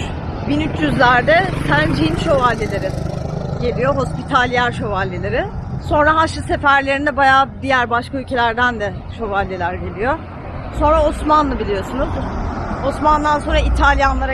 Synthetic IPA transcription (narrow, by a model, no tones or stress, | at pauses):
binyt͡ʃʰjyzlʲæɾd̪ɛt̪ʰænd͡ʒinʃo̞valʲːelʲe̞ɾɪɟe̞lʲijo̞ɦo̞spit̪ʰalʲjæɾʃo̞valʲːilʲeɾɪso̞nɾaɦaʃɯse̞fæɾlʲe̞ɾind̪ɛbajaːd̪ijæɾbaʃkaylʲcʰe̞lʲæɾd̪ænd̪ɛ | ʃo̞valʲːilʲæɾɟe̞lʲijo | so̞nɾao̞smanlˠɯbilʲijo̞sunuzosmand̪anso̞nɾait̪ʰalʲjanlˠaɾ